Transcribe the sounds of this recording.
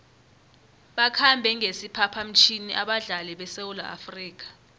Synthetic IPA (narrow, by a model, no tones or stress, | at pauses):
ɓakʰambʱɛŋʱesipʰapʰam̩t͡ʃʰiniʔaɓaɮalɛɓɛsewula̰a̰friːk̬ḁ